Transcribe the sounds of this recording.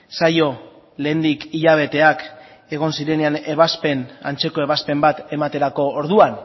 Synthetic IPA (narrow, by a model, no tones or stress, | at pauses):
sajo̞ | leːnd̪ikiʎaβ̞e̞t̪e̞ak | e̞ɣ̞o̞nsiɾe̞neane̞βaspe̞na̰nt͡se̞ko̞e̞βaspe̞mbat̪e̞mat̪e̞ɾako̞ːɾðuan